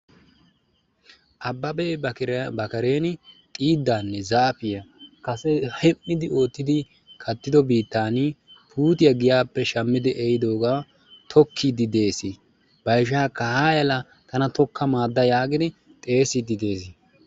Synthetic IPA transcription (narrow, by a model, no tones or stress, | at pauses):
ʔɐbːɐbɛbɐkɐɾe̞ːnɪt̪ʼiːd̪ːaːnːɛzaːpɪjɐkɐsɛhɛmːɪd̪ɪo̞ːt̪ːɪd̪ɪ | kʰɐt̪ːɪd̪ɔbiːt̪ːaːnipʰuːt̪ɪjɐɡɪjaːpːɛʃɐmːɪd̪ɪʔɛjd̪o̞ːɡa | t̪ʰɔkʰːɪd̪ɪd̪e̞ːsɪ | b̥ɐjʃ̬aːkːɐhaːjɐlɐ | t̪ʰɐnɐt̪ɔkːɐmaːd̪ːɐjaːɡɪd̪ɪ | t̪ʼe̞ːsɪd̪ɪd̪e̞ːs̬ɪ